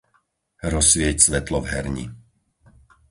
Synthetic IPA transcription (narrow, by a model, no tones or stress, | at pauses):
ɾɔsʋɪɛcsʋɛt̪lɔvɦɛɾɲḭ